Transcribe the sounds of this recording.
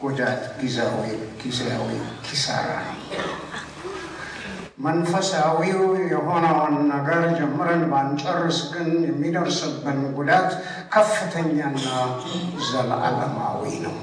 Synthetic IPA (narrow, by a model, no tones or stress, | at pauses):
ɡ̥od͡ʒat̪ɡizawɔjɡ̥izejawḭkʰisa̰ɾa̰nəw | mənfəsawijɛɦo̞nawnːəɡəɾd͡ʒɛmːɨɾənbant͡ʃʼərːɨsɡɨnjɛmːid̪əɾsəbːɨnɡud̪at̪ | kʰəfːɨt̪ʰəɲːanːa | zəla̰la̰ma̰wḭnə̰w